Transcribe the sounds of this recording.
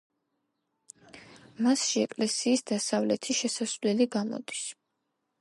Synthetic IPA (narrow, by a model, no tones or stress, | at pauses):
masʃiɛkʼlɛsiːsd̪asavlɛt̪ʰiʃɛsasvlɛliɡamɔ̰d̪is